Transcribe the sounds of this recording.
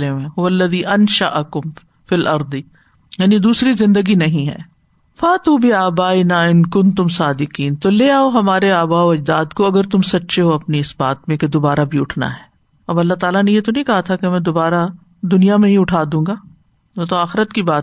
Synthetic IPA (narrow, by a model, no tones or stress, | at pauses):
leẽːɦʊʋɐɐlːɐðiːʔɐnʃaʔɐkʊm | filʔɐɾd̪i | jaːnid̪uːsɾizɪ̃nd̪əɡinɐɦĩɦɛ̰ː | faːt̪uːbɪaːbaːɪnaːɪnkʊnt̪ʊmsaːd̪ɪqiːnt̪oleːaːoɦɐmaːɾeaːbaːoɐd͡ʒd̪aːd̪koɐɡəɾt̪ʊmsɐtːʃeɦoɐpniɪsbaːt̪mẽked̪oːbaːɾabʱiʊʈʰna̰ɦɛː | ɐbɐlːaɦt̪aːlanejet̪onɐɦĩkɐɦat̪ʰakemɛ̃ːd̪obaːɾa | d̪ʊnijamẽɦĩʊʈʰaːd̪ũːŋɡaː | mɛ̃t̪oaːxɪɾət̪kibaːt̪